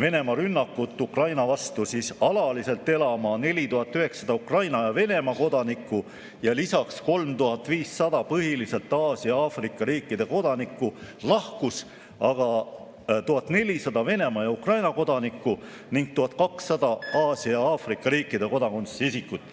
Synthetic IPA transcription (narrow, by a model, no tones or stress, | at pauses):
ve̞ne̞mɑɾynːɑkːut̪ːˑukrɑjnɑvɑst̪usisɑlɑlise̞lt̪ːˑe̞lɑmɑne̞lʲit̪uɦɑt̪ːˑyɦhe̞ksɑd̪̥ɑukrɑjnɑjɑve̞ne̞mɑko̞d̪̥ɑnikˑːu | jɑlisɑksko̞lmt̪uhɑt̪ːˑviːsːɑd̪̥ɑpɤɦilise̞lt̪ːˑɑːsiɑɑːfrikːˑɑɾiːkːˑid̪̥e̞ko̞d̪̥ɑnikˑːulɑhkus | ɑɡ̥ɑ | t̪uɦɑt̪ˑne̞lʲisɑd̪̥ɑve̞ne̞mɑjɑukrɑjnɑko̞d̪̥ɑnikːˑu | niŋɡ̥̚t̪uɦɑt̪̚ˑkɑksːɑd̪̥ɑɑːsiɑɑːfrikˑːɑɾiːkːˑid̪e̞ko̞d̪ɑko̞nt̪sisikːut̪ːˑ